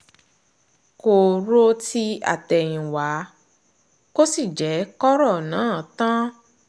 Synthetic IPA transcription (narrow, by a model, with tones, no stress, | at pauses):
ko˧˨ɾo˦ti˦a̰˦˨tɛ˨j̃ĩ˨wa˨˦ | ko˦si˦˨d͡ʒɛ˨˦kɔ˦ɾɔ˦˨nãː˨˦˨tã˦